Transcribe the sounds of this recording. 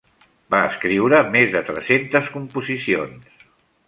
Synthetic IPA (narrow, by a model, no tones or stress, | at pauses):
baəskɾiwɾəmezðət̪ɾɛsent̪əskumpuzisions